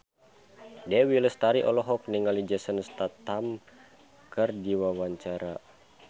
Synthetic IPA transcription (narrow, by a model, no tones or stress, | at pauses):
dɛwiləst̪aɾiʔɔ̰lɔɦɔk̚niŋalid͡ʒɛsənst̪at̪am | kɨrdiwawaɲt͡ʃaɾa